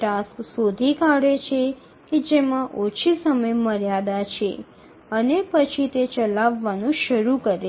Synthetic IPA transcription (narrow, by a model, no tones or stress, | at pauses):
ʈasksod̪ʱikaɽet͡ʃʰe | ked͡ʒemãʔot͡ʃʰisəməjməɾjad̪at͡ʃʰe | ənepət͡ʃʰit̪et͡ʃəlaʋːanũʃəɾukəɾe